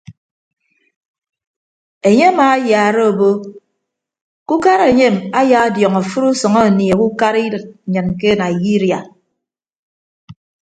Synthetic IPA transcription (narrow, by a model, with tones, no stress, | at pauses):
e˨ɲe˦a˦maː˨˦a˦jaː˨ɾe˦o˨bo˦ | ku˦ka˦ɾe˨ɲe˦˨ma˦ja˨˦djɔ˨ŋa˨fu˦ɾu˦sɔ˨ŋɔ˦a˨ni˨e˨ku˦ka˦ɾi˦dɨ˨t̚ɲɨ˨nke˦na˨i˨ji˦ɾja˨